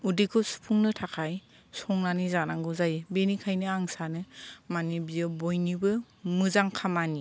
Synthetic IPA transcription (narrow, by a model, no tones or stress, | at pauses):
udikʰɯsu̥pʰuŋnɯtʰakʰaj | sɔŋnanizanaŋɡɯzajbenikʰajnɯaŋsanɯmanibijɯbojnibɯ | mɯzaŋkʰamani